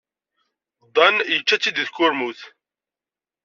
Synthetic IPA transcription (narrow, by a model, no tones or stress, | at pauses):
d̪ˤɑnjət͡ʃːæt͡sːid̪iθkʊɾmuθ